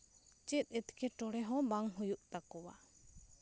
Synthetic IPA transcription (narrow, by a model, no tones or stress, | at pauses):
t͡ʃɛt̪̚ˀɛt̪kɛʈɔɽɛɦɔ̃baŋɦujuʔt̪akɔwa̰